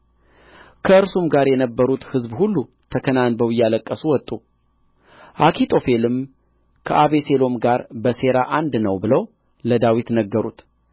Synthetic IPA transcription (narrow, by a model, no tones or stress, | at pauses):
kʰəɨɾsumɡaɾjɛnəbːəɾut̪hɨzbhulːu | t̪ʰəkʰənanbəwjːaləkʼːəsuwɔt̪ʼu | ʔakʰit̪ʰʼo̞fe̞lɨm | kʰəʔaβese̞lo̞mɡaɾbəse̞ɾaʔand̪nəwbɨləw | ləd̪awit̪nəɡːəɾut̪